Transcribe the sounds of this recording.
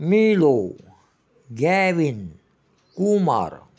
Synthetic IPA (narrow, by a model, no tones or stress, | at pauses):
miːlo | ɡɛːʋin | kuma̰ɾ